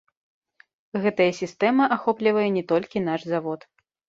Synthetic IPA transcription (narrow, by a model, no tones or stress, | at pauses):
ɣɛt̪ɐjɐsʲist̪ɛmɐʔaxɔplʲivɐjɛnʲɛt̪ɔlʲkʲin̪aʂzavɔt̪